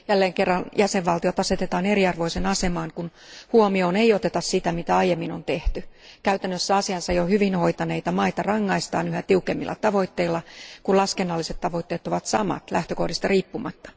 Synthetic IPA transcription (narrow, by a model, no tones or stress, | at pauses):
jælːeːŋkerːɑnjʔæseʋʋɑlt̪iot̪ɑset̪et̪ɑːneriɑrʋoisenɑsemɑːŋkunhuomioːneiot̪et̪ɑssit̪æmit̪æɑijemːinont̪eht̪ykæyt̪ænːøsːæɑsiɑnsɑjohyʋinho̞it̪ɑneit̪ɑmɑit̪ɑrɑŋːɑist̪ɑːnyhæt̪iukemːilːˑʔɑ̰t̪ɑʋo̞it̪ːeilːɑkullɑskenːɑlːiset̪tɑʋo̞it̪ːeːt̪oʋɑt̪sɑ̰mɑ̰t̪læht̪økohdist̪ɑriːpːumɑt̪ːɑ̥